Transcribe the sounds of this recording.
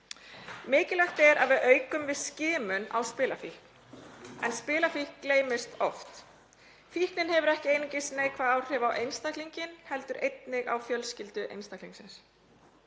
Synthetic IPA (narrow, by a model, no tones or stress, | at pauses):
mɪːcɪlaxt̪ɛɾaðvɪðœːɥkʏmvɪðscɪːmʏna̰wspɪːlafihk | ɛ̰nspɪːlafihkːleːjmɪst̪ɔft̪ | fihknɪnhɛvʏɾɛhcɪejnɪcɪsneːjkʰvaaːwr̥ɪvawʔejnst̪akliɲcɪnhɛlt̪ʏɾejt̪nɪɣa̰wfjœlscɪlt̪ʏʔḛjnst̪akliŋksɪns